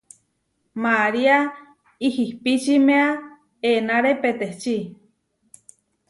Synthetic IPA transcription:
maɾia | ihihpit͡ʃimea | enaɾepet̪eht͡ʃi

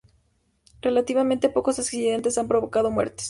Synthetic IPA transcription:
re̞lat̪iβament̪e̞po̞ko̞sesksiðent̪e̞sampɾo̞βo̞kað̞o̞mwe̞̰ɾt̪e̥s

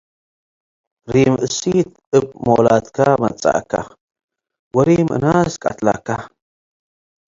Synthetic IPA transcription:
ɾiːmɨsit̪̚ | ɨp̚moːlat̪kʰamɐ̰t͡sʼa̰ka̰ | wɐɾimɨ̰naːskʼɐt̪laka

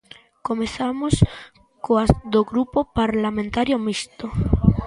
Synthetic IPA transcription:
komeθamos | koazd̪oɣɾupopaɾlamẽnt̪aɾjomist̪o

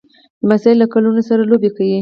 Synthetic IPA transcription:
d̪̥əmasaɪlːakalunosaɾalobekawi

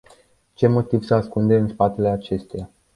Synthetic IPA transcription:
t͡ʃe̞mo̞t̪iv̥səaskund̪eɨnspat̪e̞le̞at͡ʃe̞st̪eja

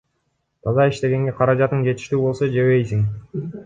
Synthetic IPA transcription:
t̪ʰɑzɑiʃt̪e̞ɡe̞ŋɡe̞qʰɑɾɑd͡ʒɑt̪ːɯnd͡ʒe̞t̪i̥ʃt̪yːbo̞lˠso̞d͡ʒe̞βe̞jsiŋ

